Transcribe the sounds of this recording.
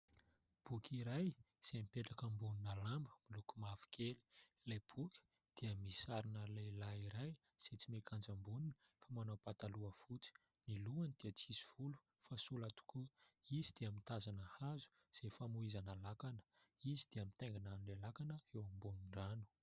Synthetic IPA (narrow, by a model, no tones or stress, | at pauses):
b̥ukʰʲiɾaj | z̥emipeʈ͡ʂakəmbununəlambəmilukumafi̥kʰeli̥ | lajb̥ukʲi̥ | d̪̥eəmisaɾinəlajlaiɾaj | z̥et͡simekʰand͡zəmbuninə | famanawpat̪aluəfut͡si̥ | niluanid̪̥eət͡sisi̥v̥ulu̥ | fasulat̪u̥kʰuizid̪eamint̪azanəhazu̥ | z̥efamuizanalakanə̥izid̪eamit̪aŋɡinanlelakanəewambunuɳɖ͡ʐanu̥